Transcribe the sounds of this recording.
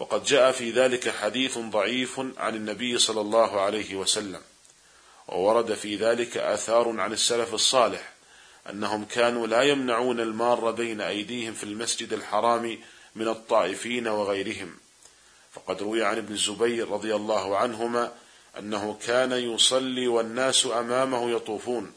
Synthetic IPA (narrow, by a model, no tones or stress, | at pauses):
wɑ̰qɑd̪d͡ʒaːʔafiːðaːlɪkaħad̪iːθðˤɑʕiːfʕa̰nɪnːabɪjːsˤɑlːɑlˤːɑːɦʊʕalajhɪwasalːam | wʔa̰wɑɾˤɑd̪afiːðaːlɪka̰ʔa̰ːθɑːɾˤʕanɪsːalafɑsˤːɑːlɪħ | ʔa̰nːaɦʊmkaːnuːlaːjamnaʕuːnalmɑrˤːɑbajnaʔajd̪iːhɪmfilmasd͡ʒɪd̪alħɑɾˤɑːmimɪnɑt̪ˤːɑːʔɪfiːnawɪɣajɾɪɦɪm | fɑqɑd̪ɾˤʊwɪjaʕanʔɪbnɪzːʊbajɾːɑðˤɪjalˤːɑːɦʊʕanɦʊmaː | ʔa̰nːaɦʊkʰaːnajʊsˤɑlːiːwanːaːsʔamaːmahʊjɑt̪ˤuːfuːn